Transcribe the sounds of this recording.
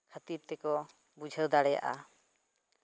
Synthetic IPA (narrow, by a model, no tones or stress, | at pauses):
kʰat̪iɾt̪ɛkɔ | bud͡ʒʱəd̪aɽɛja̰ʔa̰